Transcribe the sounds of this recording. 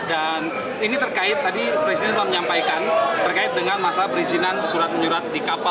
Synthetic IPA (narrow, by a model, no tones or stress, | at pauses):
da | n | init̪ərkaɪt̪ːadipɾesidɛnməlaməɲampajkant̪ərkaɪt̪̚dəŋanmasapəɾizinansuɾat̪̚məɲuɾat̪̚dikapa